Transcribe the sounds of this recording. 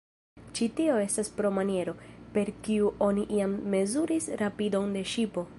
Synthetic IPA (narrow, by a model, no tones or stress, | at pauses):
t͡ʃitio̞e̞staspɾo̞manie̞ɾo̞pe̞ɾkiuʔo̞niʔiamːe̞zuɾisɾapidonde̞ʃipo̞